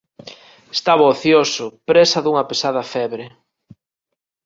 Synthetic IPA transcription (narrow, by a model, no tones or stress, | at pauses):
est̪aβaoθjosʊpɾesɐðuŋɐpesaðɐfɛβɾe